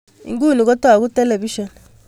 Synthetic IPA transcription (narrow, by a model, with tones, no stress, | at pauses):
ḭ˨ŋɡu˦˨ni˨ɣo˦ta˦˨ɣu˦te˦le˨βi˦ʃo˨n